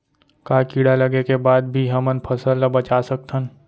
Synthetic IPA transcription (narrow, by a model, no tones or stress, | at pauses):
kaːkiːɽalɐɡekebaːd̪̚bʱiɦɐmənpʰɐsəlnabɐt͡ʃaːsɐk̚t̪ən